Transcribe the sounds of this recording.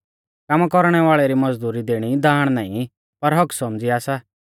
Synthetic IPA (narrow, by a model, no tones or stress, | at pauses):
kaːmakɔɾɽ̃ɛʋaːɭɛɾimɐd͡zd̪uːɾid̪eːɽ̃id̪aːɽ̃naːḭ̃ | pɐɾɦɔksɔmd͡ziaːsa